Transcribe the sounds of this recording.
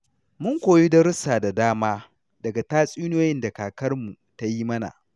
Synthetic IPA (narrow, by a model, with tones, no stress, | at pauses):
mʊ˦ŋkʷoː˨ji˦dɐ˦ɾʊ˦saː˨da˨daː˦maː˦ | dɐ˨ɡa˨taː˦sʼiː˦noː˦jɪ˦nda˨kaː˨kɐ˦rmu˨ | ta˦ji˦mɐ˦na̰˨ʔ